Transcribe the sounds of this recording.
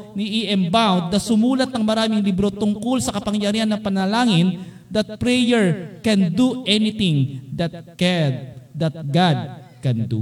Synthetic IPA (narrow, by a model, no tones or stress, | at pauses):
niʔɪʔɛmbawnd̪̚nɐsʊmuːlɐt̪̚nɐŋmɐɾaːmɪŋlibɾo̞t̪ʊŋkolsɐkɐpɐŋjɐɾihɐnːɐŋpɐnɐlaːŋɪn | d̪ɐt̪̚pɾɛjɛɹkɛnd̪uʔɛnɪt̪ɪŋd̪ɐt̪̚kɛd̪d̪ɐt̪̚ɡad̪̚ | kɛnd̪ṵ